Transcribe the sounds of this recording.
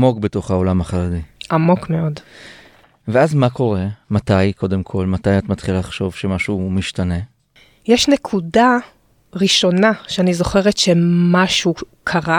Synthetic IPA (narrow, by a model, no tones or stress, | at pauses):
mo̞kbeto̞χhao̞lamhaχaʁediʔamo̞kme̞o̞d | veazmakʰo̞ʁe̞matajko̞demkʰo̞lmatajatmatχilaaχʃo̞vʃemaʃumiʃtane̞ | jeʃnekʰuda | ʁiʃo̞naʃeanizo̞χe̞ʁetʃemaʃukʰaʁa